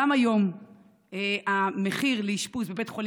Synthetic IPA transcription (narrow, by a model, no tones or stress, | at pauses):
amajo̞m | eameχiʁleiʃpuzbebe̞tχol